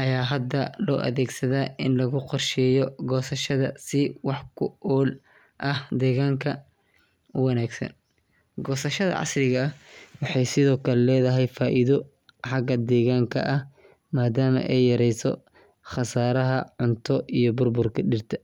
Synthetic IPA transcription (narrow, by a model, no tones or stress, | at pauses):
ʔɐjaːɦɐd̪ːɐlɔ̰ːʔɐ̰ðɛːɡsɐðaːʔɪnlɐɣʊqɔrʃɛjɔɡɔːsɐʃɐðɐ̰sɪwɑħkʰʊɔːl | ʔɐhd̪ɛːɣaːŋkʰɐ | ʊwɑnaːɡsɐ̰n | ɡɔːsɐʃɐðɐ̰ʕɑ̰srɪɣɐːwɑħɑjsɪðɔːkʰɐlɛlɛːðɐɦɛjfaːʔiðɔ | ħɑɡɐd̪ɛːɣaːŋkʰɐ̰ʔɐh | maːd̪aːmɐ̰ʔɛjːɐɾɛjsɔ̰ | χɐsaːɾɐɦɐʕʊnt̪ʰɔʔijɔbʊrbʊrkʰɐɖɪrt̪ʰɐ